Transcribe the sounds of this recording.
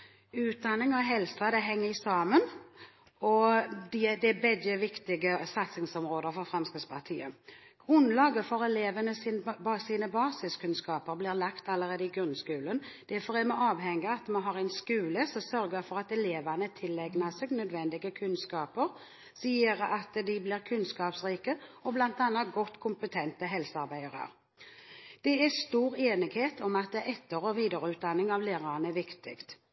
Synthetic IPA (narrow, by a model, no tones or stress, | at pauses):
ʉːt̪̚d̪ɑnːɪŋɔɦɛlsɑd̪ɛɦɛŋːəɾɪsɑːmən | ɔd̪ɛd̪ɛbɛɡəʋɪkt̪ɪɡəsɑt̪sɪŋsɔmɾoːd̪əɾfɔɾfɾɛmskəspʰɑʁt̪ʰḭːə | ɡ̥ʁʉnlɑːɡəfɔɾɛleːʋənəsɪnsiːnəbɑːsɪskʉnskɑːpəɾblɪːɾlɑkt̪ɑlːəɾeːd̪əɪɡɾʉnskʉːlənd̪̥æfɔʁɛmɛɑːʋɦɛŋːəɑt̪mɛnɦɑːʁæɪnskʉːləsɔsœɾɡəfɔʁɑt̪ɛleːʋɑnət̪ʰɪlːɛɡnɑseɡnœd̪ʋɛnd̪ɪɡəkʰʉnskɑːpəɾ | siːəɾɑt̪d̪ɪbliːʁkʰʉnskɑːpsʁiːkəɔblɑnt̪ɑnːɑt̪̚ɡɔt̪ːkʰʊmpət̪ʰɛnt̪əɦɛlsəɑɾbæɪəɾə̰ʁ | d̪̥ɛæst̪uːɾeːnɪɡheːt̪ʰɔmɑt̪̚d̪ɛʔɛt̪ːəɾoʋiːd̪əɾəʉːt̪̚d̪ɑnːɪŋɑʋleːʁɑɾnəɛʋɪkt̪ɪ̰kt̪